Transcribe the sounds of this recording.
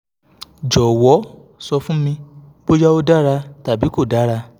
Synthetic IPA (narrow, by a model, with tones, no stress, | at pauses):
d͡ʒɔ˨wɔ˨˦ | sɔ˧fũ˦mĩ˧ | bo˦d͡ʒa˦o˧da˦ɾa˧ta˨bi˨˦ko˦˨da˨˦ɾa˧